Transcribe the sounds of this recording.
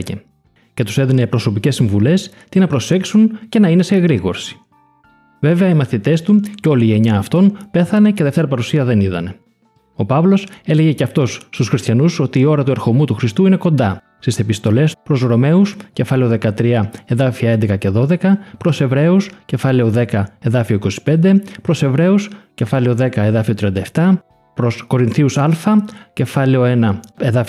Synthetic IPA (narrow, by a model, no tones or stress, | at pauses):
ḛ | ce̞t̪u̥seðinepɾo̞so̞pice̞sːiɱvule̞s | t̪inɐpɾo̞se̞ksunce̞nɐine̞seɣɾiɣo̞̰ɾsi̥ | ve̞ve̞ɐimɐθit̪e̞st̪uceo̞liːʝe̞ɲɐːft̪o̞npe̞θɐne̞ceðe̞ft̪e̞ɾɐpɐɾusiɐðe̞niðɐ̰ne̞ | o̞pɐvlo̞se̞le̞ʝe̞ceɐft̪o̞sːt̪usxɾist̪çɐnuso̞t̪iːo̞ɾɐt̪ueɾxo̞mut̪uxɾist̪uine̞ko̞nd̪ɐ | st̪ise̞pist̪o̞le̞spɾo̞zɣɾo̞me̞usce̞fɐleo̞ðe̞kɐt̪ɾiɐe̞ðɐfiɐend̪e̞kɐce̞ðo̞ðe̞kɐpɾo̞se̞vɾe̞usce̞fɐleoðe̞kɐe̞ðɐfio̞iko̞si̥pe̞nd̪e̞pɾo̞se̞vɾe̞usce̞fɐleo̞ðe̞kɐe̞ðɐfio̞t̪ɾiɐnd̪ɐeft̪ɐ | pɾo̞sko̞ɾinθiusɐlfɐce̞fɐleo̞e̞nɐeðɐ